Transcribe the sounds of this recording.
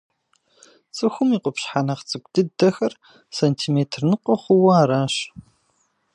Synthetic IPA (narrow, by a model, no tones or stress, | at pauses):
t͡sʼɨxʷʊmiːqʷɔpɕħanɐχt͡sʼɨkʷʼdɨdɐxɐr | sɐntʰiːmeːtʰrnɨqʷʼɔχʷʊwɐaːɾaːɕ